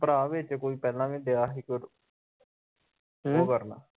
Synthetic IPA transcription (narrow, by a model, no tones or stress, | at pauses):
pɾãːʋeːt͡ʃekoːiːpɛːlãːmẽːd̪eːaːɦiːkʊɾ | oːkəɾna̰ː